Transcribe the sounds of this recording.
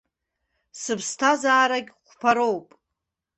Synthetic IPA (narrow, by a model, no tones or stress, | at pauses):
sɨpʰstʰazaːɾaɡʲχʷpʰaɾo̞wpʼ